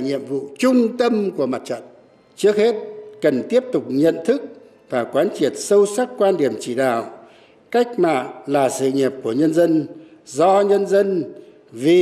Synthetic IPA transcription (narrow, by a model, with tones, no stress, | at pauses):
ɲḭ˧˨əmvṵ˧˨t͡ɕʊ˧ŋ͡mt̪ə˧mku˧˩əma˨˩t̚t͡ɕə̰˧˨n | t͡ɕɨ˦˥ək̚he˦˥t̚kə˨˩nt̪i˦˥əp̚t̪ʊ˨˩k͡p̚ɲə̰˧˨nt̪ʰɨ˦˥k̚ | vaː˨˩kwaː˨˦nt͡ɕi˨˩ət̚sə˧wsa˦˥t̚kwaː˧nɗi˨˩əmt͡ɕi˧˩ɗa̰ː˧˨w | ka˦˥jk̟̚ma̰ː˧˨nlaː˨˩sɨ̰˧˨ɲi˨˩əp̚ku˧˩əɲə˧nzə˧n | zɔ˧ɲə˧nzə˧n | vi˨˩